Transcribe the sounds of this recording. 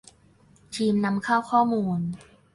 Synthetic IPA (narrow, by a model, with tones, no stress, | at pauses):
t̪ʰiː˧mna˧mkʰaː˥˩wkʰɔː˥˩muː˧n